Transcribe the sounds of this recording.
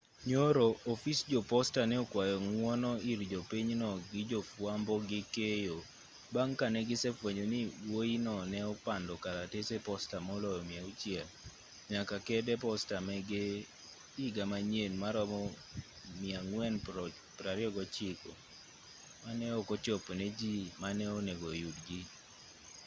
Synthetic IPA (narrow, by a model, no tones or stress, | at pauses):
ɲoɾoːfisd͡ʒɔpɔstanɛɔkwajɔŋwɔnɔiɾd͡ʒopiɲnɔɡɪd͡ʒofwambɔɡɪkejo | baŋkanɛɡɪsɛfweɲonɪwoinɔnɛɔpandɔkaɾatesepɔstamɔlɔjɔmjaut͡ʃjɛl | ɲakakɛdɛpɔstamɛɡe | iɡamaɲenmaɾɔmɔ | mjaŋwɛn | pɾaɾɪɔɡɔt͡ʃɪkɔ | manɛɔkɔt͡ʃɔpnɛd͡ʒimanɛoneɡojudɡi